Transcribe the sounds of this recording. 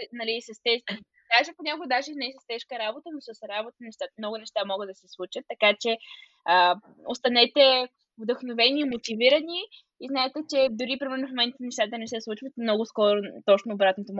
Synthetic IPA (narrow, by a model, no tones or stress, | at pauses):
nɐlisɐst̪ɛʃ | d̪aʒɛponʲakoɡd̪aʒɛnɛsəst̪ɛʃkəɾabot̪ənosəsɾabot̪ənɛʃt̪amnɔɡʊnɛʃt̪amɔɡəd̪ɐsɛslˠut͡ʃət̪ːɐkat͡ʃɛ | ə | ost̪ɐnɛt̪ɛ | vd̪əxnovɛniːmot̪iviɾəni | iznaɛt̪ɛt͡ʃɛd̪ʊɾipɾimɛɾnʊfmomɛnt̪ənɛʃt̪at̪ənɛsɛslˠut͡ʃvət̪mnɔɡʊskɔɾʊt̪ɔt͡ʃnoːbɾat̪not̪om